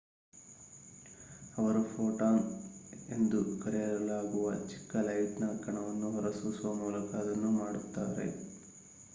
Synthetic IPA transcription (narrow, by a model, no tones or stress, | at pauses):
ɐʋɐɾupʰoːʈaːne̞nd̪ukɐɾɛjɐɾɐlaːɡuʋɐ̰t͡ʃi̥kːɐlɐjt̪naːkːɐɳɐʋɐnːuɦɔɾɐsusʋɐmuːlɐkɐːd̪ɐnːumaːɽut̪ːaːɾḛ